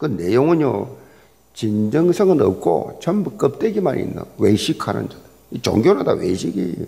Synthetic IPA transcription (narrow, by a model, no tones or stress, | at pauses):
kɯnːejoŋɯɲjo | t͡ɕind͡ʑʌŋsʰʌŋɯnʌ̰p̚k͈ʰo̰t͡ɕʌmbuk͈əp̚t͈weɡimanḭḭnːa̰weɕʰikʰanɯ̰nd͡ʑadɯ | it͡ɕo̰ŋɡjoɾadaweɕʰiɡḭ